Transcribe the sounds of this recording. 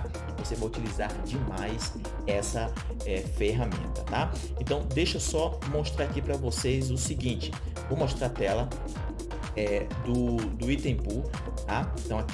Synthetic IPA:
vosevajut͡ʃilizaɾd͡ʒɪmajs | ɛsɐ | ɛfeɦamḛ̃nt̪ɐt̪a | ẽt̪ɐ̃w̃d̪ejʃosɔ | moʃt̪ɾaɾakipɾɐvosejzʊsiɡĩt͡ʃɪ̥ | vowmoʃt̪ɾat̪ɛlɐ | ɛd̪ʊd̪ʊit̪ẽpu | t̪aẽt̪ɐ̃w̃ɐ

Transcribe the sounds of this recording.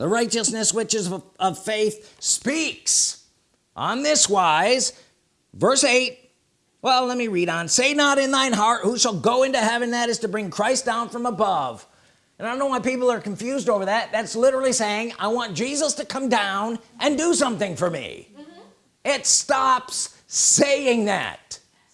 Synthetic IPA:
ðə̰ɹaɪt͡ʃɨsnɨswɪt͡ʃɨzʌv̥feɪθspiks | ʔə̃nðɪswaɪz̥ | vɜ˞seɪt̚ | wɛlˠlɛt̚miɹiɾn̩seɪnəɾɨ̃nðãɪ̃nɦɑɹt̚huʃəl̩ˠɡoʊɪ̃ntɨhɛvɨ̃nðɨɾɨz̥tɨbɹɪ̃ŋkʰɹ̥aɪsd̥ãʊ̃nfɹʌ̃məbʌṽ̥ | naɪdõnːoʊwaɪpipl̩ˠə˞kɨ̃ɱfjʉzdoʊvə˞ðæt̪̚ðætslɪɾə˞l̩ˠiseɪɪ̃ŋa̰ɪwɑ̃nd̥ʒ̥izəstɨkʰʌ̃mdãʊ̃nʔɨ̃ndɨsʌ̃mθɪ̃ŋfə˞mḭ | ɪtstɑps | eɪɪ̃ŋðæ̰t̚

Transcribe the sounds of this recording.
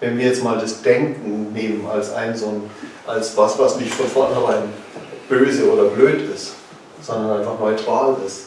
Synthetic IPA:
vɛnviːɐjɛt͡stmaːldasd̥ɛŋkŋ̩neːməna̰lsʔa̰ɪnzoːnʔalsvasv̥asnɪçtfɔnfɔɐnhɛʁaɪn | b̥øːzəoːdɐbløːtɪst | z̥ɔndɐnʔaɪnfaχnɔʏtʁ̥aːlɪst

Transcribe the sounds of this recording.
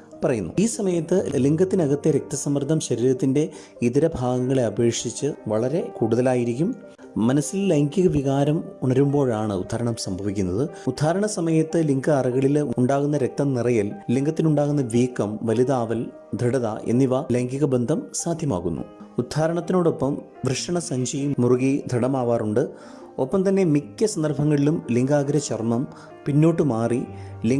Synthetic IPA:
pɐrɐjunːṵiːsɐmɐjɐt̪ːɨliŋɡɐt̪ːinɐɣɐt̪ːeɾe̞k̚t̪ɐsɐmːɐrd̪ʱɐmɕɐɾiːɾɐt̪ːinde̞ | iðiɾɐbʱaːɡɐŋːɐɭeɐbe̞ːʂit͡ɕːɨʋɐɭɐɾe̞kuːɽuðɐlaːjiɾikʲːum | mɐnɐsːilleŋkiɣɐʋiɣaːɾɐmuɳɐɾumbo̞ːɻaːɳɨṵd̪ʱaːɾɐɳɐmsɐmbʱɐʋikʲːunːɐðɨud̪ʱːaːɾɐɳɐsɐmɐjɐt̪ːɨliŋɡɨɐrɐɣɐɭiluuɳɖaːɣunːɐɾe̞k̚t̪ɐmnirɐjɐlliŋɡɐt̪ːinuɳɖaːɣunːɐʋiːkːɐmʋɐliðaːʋɐl | d̪ʱɐɽɐða̰ʔḛnːiʋaleŋkiɣɐbend̪ʱɐmsaːd̪ʱjɐma̰ːɣunːṵud̪ʱːaːɾɐɳɐt̪ːino̞ːɽo̞pːɐm | ʋrɨʂɐɳɐsɐɲd͡ʑɐjimuruɣid̪ʱɐɽɐmaːʋaːruɳɖɨ | o̞pːɐmt̪ɐnːe̞mikʲːɐsɐnd̪ɐrbʱɐŋːɐɭilumliŋɡaːɡɐɾɐt͡ɕermɐm | pinːo̞ːʈːɨmaːrili

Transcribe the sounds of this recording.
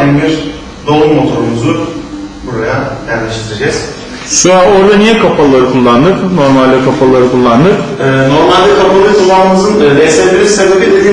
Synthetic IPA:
inbiɾ | d̪o̞ummo̞t̪ʰo̞ɾumuzʊbuɾajajæɾlʲeʃt̪ʰiɾed͡ʒɛz̥ | sɯao̞ɾd̪anijɛkʰapʰalˠaɾɯkʰulˠːand̪ɯkno̞ɾmalʲd̪ɛkʰapʰalˠaɾɯkʰulˠːand̪ɯkɛːno̞ɾmalʲd̪ɛkʰapʰalˠaɾɯkʰulˠːanɯmɯzɯnːd̪esɛnbiɾiɾsed̪aped̪ed̪iː

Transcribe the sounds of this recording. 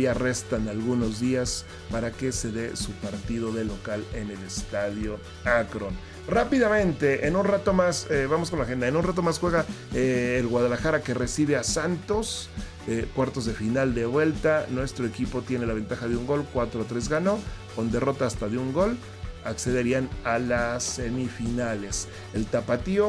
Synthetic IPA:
are̞st̪analɣuno̞zðias | paɾake̞se̞ðe̞supaɾt̪ið̞o̞ðe̞lo̞kale̞nele̞st̪aðjo̞ | akɾon | rapiðamẽ̞nt̪e̞ʔenunrat̪o̞maseβamos̬kolaxe̞nd̪aenunrat̪̬o̞masxwe̞ɣaeːlɣwaðalaxaɾake̞re̞siβe̞asant̪o̞s | ekwaɾt̪o̞zðe̞finald̪e̞βwe̞lt̪anwe̞st̪ɾo̞e̞kipo̞t̪je̞nelaβ̞e̞nt̪axaðeuŋɡo̞lkwat̪ɾoat̪ɾe̞zɣano̞ko̞nd̪e̞ro̞t̪aːst̪aðeuŋɡo̞l | akse̞ðe̞ɾianalasːe̞mifinale̞s | elt̪apat̪io

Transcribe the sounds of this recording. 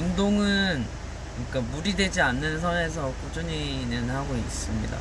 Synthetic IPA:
ɯndoŋɯn | ɲik͈amuɾidwe̞d͡ʑianːɯns̬ʰʌne̞s̬ʰʌk͈ud͡ʑuɲinɯnhaɡois͈ɯmɲḭda̰

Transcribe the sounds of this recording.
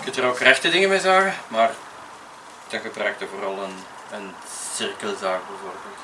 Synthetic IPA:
kəntdərokrɛxtədɪŋəmezaːɣəmaːr | d̥ɑɣəbrœɥk̚təvoːrɑlˠən | ən | sɪrkəlzaːkbovordə

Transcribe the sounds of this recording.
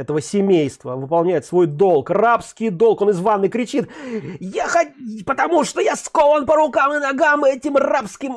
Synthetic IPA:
ɛt̪əvəsʲɪmʲejst̪və̰vɨpɐlˠnʲæjɪt̪svo̞jd̪o̞lˠkrapskʲɪjd̪o̞lˠko̞nɨzvanːɨjkɾʲɪt͡ɕit̪jaxɐtʲpət̪ɐmuʂt̪ojaskolˠənpəɾʊkamɪnɐɡamɛtʲɪmrapskʲɪm

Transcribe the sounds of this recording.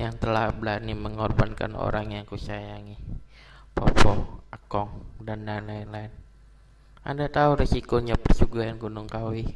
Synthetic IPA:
jaŋt̪əlahbəlaniməŋɔrbanka̰no̰ɾaŋjaŋkusajaŋi | pɔpɔakɔŋdandanlaɪnlaɪn | a̰ndat̪auɾesikoɲapərsuɡaanɡunuŋkawi

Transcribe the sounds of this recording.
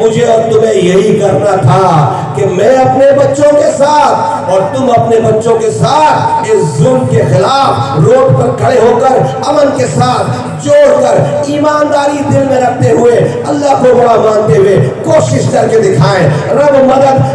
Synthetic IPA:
mʊd͡ʒʱeɔːɾt̪ʊmẽjɐɦikɐɾnat̪ʰa | kemɛ̃ɐpnebɐtːʃõkesaːt̪ʰ | ɔːɾt̪ʊmɐpnebɐtːʃõkesaːt̪ʰeːszʊːmkexɪlaːpʰɾoːppɐɾkʰɐɽeɦoːkəɾ | ɐmənkesaːt̪ʰ | d͡ʒoːɽkəɾiːmaːnd̪aːɾid̪ɪlmẽɾɐkʰt̪eɦʊeɐlːaɦkobɐɽamãːnt̪eɦʊekoːʃɪʃkɐɾked̪ɪkʰaːẽɾɐbmɐd̪əd̪

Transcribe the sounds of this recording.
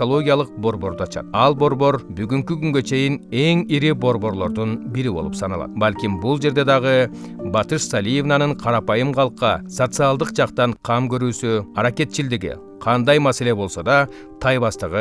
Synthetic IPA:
o̞lˠo̞ɡʲijɑlˠəq̚bo̞ɾbo̞ɾd̪uɑt͡ʃɑ̰t̪̚ɑlˠbo̞ɾbo̞ɾbyɡyŋkykyŋɡø̞t͡ʃʰe̞jine̞ŋiɾibo̞ɾbo̞ɾlˠo̞ɾd̪unbiɾibo̞̰lˠupsɑnɑ̰lˠɑ̰t̪balʲkʲimbulˠd͡ʒe̞ɾd̪e̞d̪ɑʁɯ | bɑt̪ɯʃsalʲije̞vnanɯɴqʰɑɾɑpɑjɯmqʰɑlˠqːɑsot̪sɨɑlˠd̪ɯqd͡ʒɑqt̪ɑɴqʰɑmkø̞ɾyːsyɑɾake̞t̪̚t͡ʃild̪iɡḭ | qʰɑnd̪ɑjmɑse̞le̞bo̞lˠso̞d̪ɑ | t̪ʰɑjβɑst̪əʁɯ

